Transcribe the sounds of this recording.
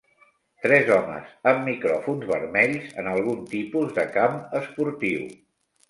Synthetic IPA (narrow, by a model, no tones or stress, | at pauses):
t̪ɾɛzɔmə̰zəmːikɾɔfunzβəɾmɛʎzənəlˠɣ̞unt̪ipuzðəkaməspuɾt̪iw